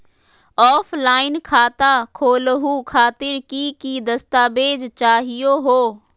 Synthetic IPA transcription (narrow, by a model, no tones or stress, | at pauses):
ɔːflaːɪnkʰaːt̪akʰoːləɦukʰaːt̪ɪɾkikid̪ɐst̪aːbeːd͡ʒt͡ʃaːɦijoɦoː